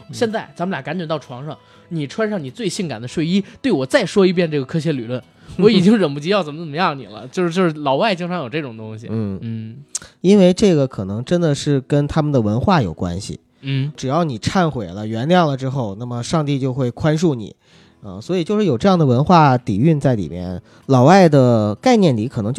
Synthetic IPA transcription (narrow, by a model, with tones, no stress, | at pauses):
ɕjɛ˥˧nt͡sa˥˩ɪt͡sa˧˥mə˩lja˨˩ka˧˥nt͡ɕɛ˨˩t̪ɑ˥˩ʈ͡ʂʰwɑ˧˥ŋʂɑ˥˧˩ŋ | ni˨˩ʈ͡ʂʰwa˥nʂɑ˥˩ŋni˨˩t͡swe˥˧ɪɕi˥˩ŋka˨˩nd̪ə˦ʂwe˥˩ɪi˥t̪we˥˩ɪwɔ˨˩t͡sa˥˩ɪʂwɔ˥i˧˥p̬jɛ˥˧nʈ͡ʂɤ˥˩ɡə˩kʰɤ˥ɕ̬ɛ˧˥ly˨˩lwə˥˩n | wɔ˧˥i˨˩t͡ɕi˥ŋɻə˨˩npu˥˩t͡ɕi˥jɑ˥˩ʊt͡sə˨˩mə˦t͡sə˨˩mə˦jɑ˥˩ŋnḭ˨˩lə̰˦t͡ɕjo˥˧ʂ̩˥˧t͡ɕo˥˧ʂɻ̩˥˩lɑ˧˥ʊwa˥˩ɪt͡ɕi˥ŋʈ͡ʂʰɑ˧˥ŋjo˨˩ʊʈ͡ʂɤ˥˩ʈ͡ʂʊ˨˩ŋt̪ʊ˥ŋɕi˨˩nn̩˥˩i˥nwe˥˧ɪʈ͡ʂɤ˥˩ɡə˩kʰɤ˨˩nɤ˧˥ŋʈ͡ʂə˥nd̪ə˨ʂɻ̩˥˩kə˥nt̪ʰa˥mə˨nd̪ə˩wə˧˥nxwa˥˩jo̰˨˩ʊkwa̰˥nɕḭ˨˩ | n̩˥˩ʈ͡ʂɻ̩˨˩jɑ˥˩ʊni˨˩ʈ͡ʂʰa˥˩nxwe˨˩ɪlə˦ɥɛ˧˥nljɑ˥˩ŋlə˩ʈ͡ʂɻ̩˥xo˥˧ʊna˥˩mə˩ʂɑ˥˧ŋt̪i˥˧t͡ɕjo˥˧xwe˥˩ɪkʰwa˥nʂu˥˩nḭ˨˩˦ | ə˧swɔ˧˥i˨˩t͡ɕjo˥˧ʊʂɻ̩˥˩jo˨˩ʊʈ͡ʂɤ˥˧jɑ˥˩ŋd̪ə˩wə˧˥nxwa˥˩t̪i˨˩y˥˧nt͡sa˥˩ɪlḭ˨˩mjɛ̰˥˧n | lɑ˨˩ʊwa˥˩ɪd̪ə˩ka˥˧ɪnjɛ˥˩nli˧˥kʰɤ˨˩ɤ˧˥ŋt͡ɕ